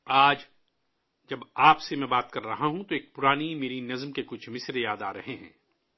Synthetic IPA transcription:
aːd͡ʒ | d͡ʒɐbaːpsemɛ̃ːbaːt̪kɐɾːɐɦaɦũt̪oeːk̚pʊɾaːnimeːɾinɐzmkekʊt͡ʃʰmɪsɾjaːd̪aːɾɐɦeɦɛ̰̃ː

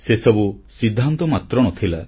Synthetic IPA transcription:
sesɔbusid̪ʱːant̪ɔmat̪ɾɔɽ̃ɔt̪ʰila

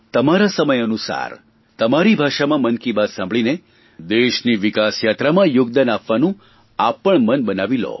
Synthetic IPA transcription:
t̪əmaɾasəməjənusa̰ɾ | t̪əmaɾibʱaʃamãmənkibad̪sãmbʱɭine | d̪eʃniʋikasjat̪ɾamãjʊɡ̚d̪anapʋanũ | apəɳmənbənaʋilo̰

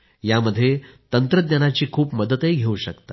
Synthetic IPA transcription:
jaməd̪ʱːjet̪ənt̪ɾəd̪nənat͡ɕiːkʰuːpməd̪ət̪ɦeɡʱeuɕəkt̪a

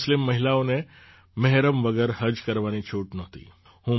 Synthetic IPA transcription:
slɪmːɐɦɪlaõnẽ | mɐɦɾəmʋɐɡɛːɾɦɐd͡ʒkɐɾʋaːnit͡ʃʰuːʈnoːt̪ḭː | hũː

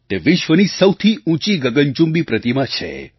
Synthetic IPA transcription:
t̪eʋɪʃʋənisəwt̪ʰiũt͡ʃiɡəɡənt͡ʃũmbipɾət̪imãt͡ʃʰḛ

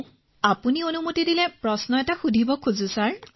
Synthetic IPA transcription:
apunionumotidilɛpɹɔsnɔɛtaxudʱibɔkʰuzusaɹ

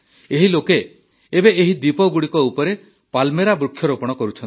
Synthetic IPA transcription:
eɦiloke | ebeeɦid̪ipɔɡuɽikɔupɔɾe | palmeɾabɾukʰːjɔɾopɔɽ̃ɔkɔɾut͡ʃʰɔnt̪i

